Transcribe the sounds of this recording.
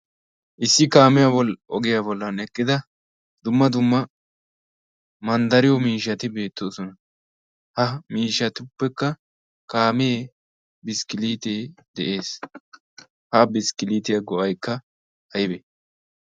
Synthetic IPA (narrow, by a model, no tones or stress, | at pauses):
ʔɪsːɪkaːmɪjabɔʔɔɡɪjabɔlːɐnɛkːɪd̪ɐ | d̪̥ʊmːɐd̪ʊmːɐ | mɐnd̪ɐɾɪjɔmiːʃɐt̪ɪbe̞ːt̪ːoːsɔnɐ | hɐmiːʃːɐt̪ɪʊpːɛkːɐ | kaːmee | bɪskɪliːt̪eːd̪ɛʔe̞ːs | hɐbɪskɪliːt̪ɪjɐɡɔʔɐjkːɐ | hɐjɪbɛ